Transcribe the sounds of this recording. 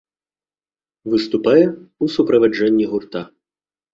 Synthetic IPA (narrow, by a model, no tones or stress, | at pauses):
vɨst̪upajɛusupɾɐvad͡ʐɛnʲːiɣurt̪a